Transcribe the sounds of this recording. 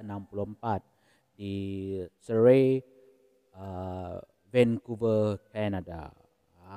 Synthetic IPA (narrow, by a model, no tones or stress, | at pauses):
ənãmpuluəmpat̪̚ | di | səɹe | ə | vɛnkuvəkɛnada̰